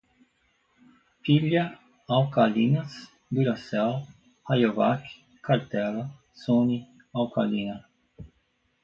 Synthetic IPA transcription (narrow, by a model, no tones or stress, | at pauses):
piʎjɐ | awkalinɐs | d̪uɾasɛl | hajovak | kaɾt̪ɛlɐ | soni | awkʰalinɐ